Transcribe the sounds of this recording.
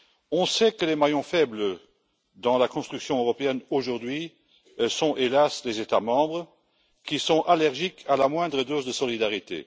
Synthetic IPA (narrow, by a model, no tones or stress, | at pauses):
ɔ̃sɛkəlemajɔ̃fɛblə | d̪ɑ̃lakɔ̃st̪χyksjɔ̃øʁɔpeɛnoʒuʁd̪ɥi | sɔ̃elaslezet̪amɑ̃bʁə | kisɔ̃alɛʁʒikʰalamwɛ̃d̪ʁəd̪ozd̪əsɔlid̪aʁit̪ḛ